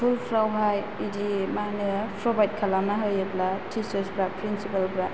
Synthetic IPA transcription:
pʰulpʰɾawɦaj | idimanɯpʰɾɔbajt̚kʰalamaɦɯjɯplatʰisəsbɾapɾinsipalbɾa

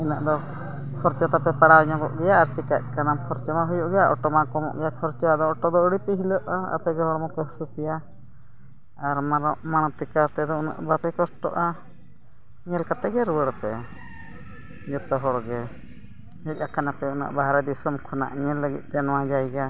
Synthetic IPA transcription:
inaʔd̪ɔ | kʰɔɾt͡ʃɔt̪apɛpaɽawɲɔ̃ɡɔʔɡɛjaːɾt͡ʃɛkac̪̚ˀkanapʰɔɾt͡ʃɔmaɦɔjuʔɡɛjaʔɔʈɔmakɔmɔ̰ʔɡɛjakʰɔɾt͡ʃɔad̪ɔɔʈɔd̪ɔəɽipiɦiləʔaa̰pɛɡɛɦɔɽmɔkɛɦsupija | ɾmaɾɔʔmaɽ̃t̪ikat̪ɛd̪ɔuna̰ʔbapɛkɔsʈɔ̰ʔa | ɲɛlkat̪ɛɡɛɾuwəɽpɛ | d͡ʒɛt̪ɔɦɔɽɡɛ | ɛc̚ˀakanapɛuna̰ʔbaɦaɾɛd̪isɔmkʰɔna̰ʔɲɛlːəɡit̪̚ˀt̪ɛnɔwad͡ʒajɡa

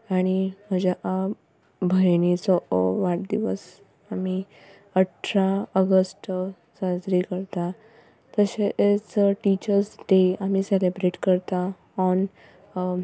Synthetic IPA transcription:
aɽ̃im̤əd͡ʑaʔa | bʱəjnit͡sɔʋaʈ̚d̪iʋəs | ami | əʈʰɾaəɡəsʈ | səd͡zɾikəɾt̪a | t̪əɕeʔet͡səʈit͡ɕəɾsɖ̪eamiselebɾeʈkəɾt̪a | ɔn

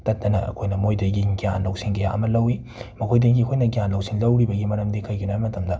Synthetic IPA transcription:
tɐt̚dɐnɐɐ̰kʰojnɐmojdɐɡiɡijanlɐwsiŋkɐja̰ʔɐmɐlɐwi | mɐkʰojdɐɡikʰojnɐɡijanlɐwsiŋlɐwɾibɐɡimɐɾɐmdikʰɐjɡinabmɐtʰɐmdɐ

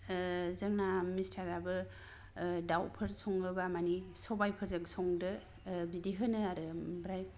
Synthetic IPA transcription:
zɐŋnamistʰaɾabɯ | dawpʰɯɾsɔŋɯbamanisɔbajpʰɯɾzɯksɔŋdɯ | bidiɦɯnɯaɾɯbɾaj

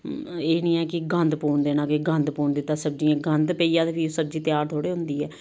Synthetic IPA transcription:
eːnĩːɛːkɪɡə̃nd̪puːɳd̪eːnãːkeɡə̃nd̪puːɳd̪ɪt̪aːsəb̚d͡ʒiːɛ̃ːɡənd̪peiːãːd̪eːbisəb̚d͡ʒiːt̪ɪjaːɾt̪ʰoːɽeːɦʊ̃nd̪iːɛː

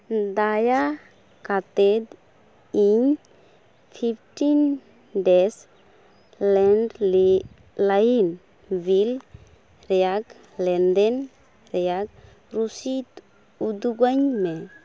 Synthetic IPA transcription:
d̪aja | kat̪ɛd̪ | iɲ | pʰip̚ʰʈin | dɛs | lɛnɖl | lajin | bil | ɾɛjaɡ | lɛndɛn | ɾɛjak̚ | ɾusit̪ | ud̪uɡaɲmɛ

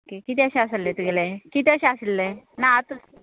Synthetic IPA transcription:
okekit̪eəɕẽasəlːet̪uɡelekit̪eəɕeasəlːenaat̪ə

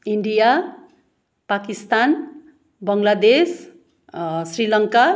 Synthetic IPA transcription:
iɳɖija | pakist̪an | bʌŋlad̪es | srilʌŋka

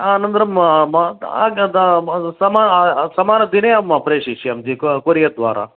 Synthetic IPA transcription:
anɐnd̪ɐɾɐmɐmɐaɡ̪ | sɐmaːsɐmaːnɐd̪ineːɐmːɐpɾeːʂiʂiɐmd͡ʒikkoɾijɐd̪ʋa̰ːɾa̰

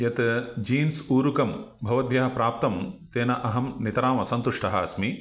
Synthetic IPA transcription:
jɐt̪d͡ʒiːnsuːɾukɐmbʱɐʋɐd̪̚bʱjɐɦɐpɾaːp̚t̪ɐmt̪eːnɐʔɐɦɐmnit̪ɐɾaːmɐsɐnt̪uʂʈɐɦɐɐsmi

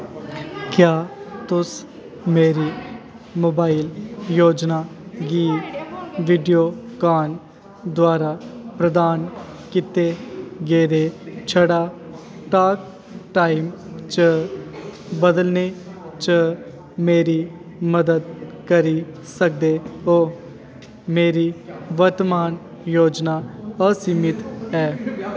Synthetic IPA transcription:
kjaːt̪ʊs | meːɾiː | moːbaːiljoːd͡ʒnaːɡiː | ʋiːɖijoːkaːn | d̪waːɾaːpɾəd̪aːn | kɪt̪eɡeːɾeːt͡ʃʰəɽaː | ʈaːk̚ | ʈaːimt͡ʃə | bəd̪əlneːt͡ʃə | meːɾiː | məd̪əd̪̚kəɾiː | sək̚d̪eːoː | meːɾiːʋəɾt̪əmaːn | joːd͡ʒnaːəsimɪt̪ɛː

